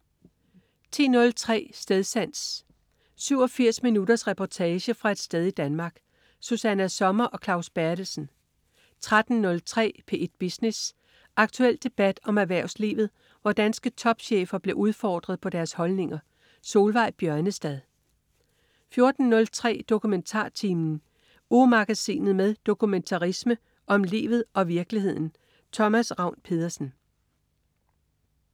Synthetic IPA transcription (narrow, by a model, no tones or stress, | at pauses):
t͡sʰḭːnɔ̽lt͡sʰʁɛ̰ːsd̥eðˠsæn̰s | syʊ̰ɒ̽fiɐ̰sminudɐsʁɛpʰɒt͡sʰɛːɕəfʁɑ̈e̝d̥sd̥eð̞ˠid̥ænmɑ̈ːɡ̥ | susænæsɒ̽mɐʔɒ̽kʰlɑ̈ʊsb̥æɐd̥l̩sn̩ | t͡sʰʁad̥n̩nɔ̽lt͡sʰʁɛ̰ːpʰe̝ʔe̝d̥̚b̥isnes | ʔɑ̈ɡ̥t͡sʰuel̰d̥e̝b̥æd̥ɒ̽mæʋæɐʊ̰slḭːʋð̩ˠ | ʋɒd̥ænsɡ̥ət͡sʰɒ̽b̥ɕḛːfɐb̥le̝ʔuð̞ˠfɒ̰ːd̥ʁɐðˠpʰɒ̽d̥æɐshɒ̽lne̝ŋɐ | so̝ːlʋɑ̈ɪ̰b̥jɶɐnəsd̥ɛð̞ˠ | fjo̝ɐd̥n̩nɔ̽lt͡sʰʁɛ̰ːd̥o̝kʰument͡sʰɑ̰̈ːt͡sʰiːmn̩ | umɑ̈ɡ̥æsḭːnð̩ˠmeðˠd̥o̝kument͡sʰɑ̈ʁismə | ʔɒ̽mlḭːʋð̞̩ˠʔɒ̽ʋiɐɡ̥lihe̝ð̞̰ˠn̩ | t͡sʰɒ̽mæsʁɑ̈ʊnpʰe̝ð̞ˠɐsn̩